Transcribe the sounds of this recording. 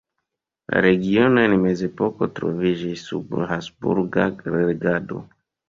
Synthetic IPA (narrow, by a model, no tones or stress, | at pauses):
la̰ɾe̞ɡio̞noenme̞ze̞po̞ko̞tɾo̞̰vid͡ʒisːṵbhasbṵɾɡaɾeɡado̞̰